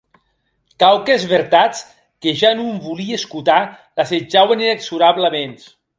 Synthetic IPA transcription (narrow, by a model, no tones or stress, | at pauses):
kawkezβeɾt̪at͡s | keʒanumbulieskut̪a | lased͡ʒawenineksuɾaβlamens